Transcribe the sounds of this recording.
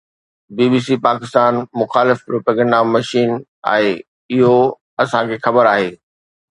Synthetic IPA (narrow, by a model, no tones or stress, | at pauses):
biːbiːsipaːkɪst̪aːnmʊxaːlɪfpɾoːpaːɡə̃ɳdamɐʃiːn | a̰ːɦe | ɪɦo | ɐsãkʰeːxɐbəɾaːɦeː